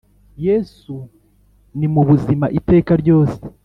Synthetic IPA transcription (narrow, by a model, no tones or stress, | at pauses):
jesu | nimuβuzimaʔite̞ːkaɾɟo̞ːse̥